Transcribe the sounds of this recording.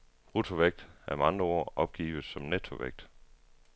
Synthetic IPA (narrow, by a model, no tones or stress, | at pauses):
ʁut͡sʰo̝ʋeɡ̥̚d̥æɐmɑ̈nd̥ʁɐɔ̰ɐ̰ʔɒ̽b̥̚ɡ̥ḭːʋð̩ˠsɒ̽mnet͡sʰo̝ʋeɡ̥̚d̥